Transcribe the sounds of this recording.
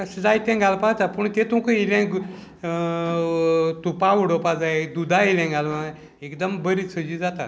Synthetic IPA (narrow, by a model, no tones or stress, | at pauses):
kəsd͡zajt̪ɛ̃ŋɡalpat̪apəɳt̪et̪ũmkəilɛ̃ŋɡ | t̪upawɽopad͡zajd̪ud̪ailɛ̃ɡal | ekd̪əmbəɾisʰəd͡ʑid͡zat̪a̰